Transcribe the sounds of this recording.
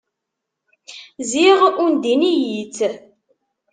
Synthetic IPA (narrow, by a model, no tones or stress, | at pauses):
ziʁund̪inijit͡s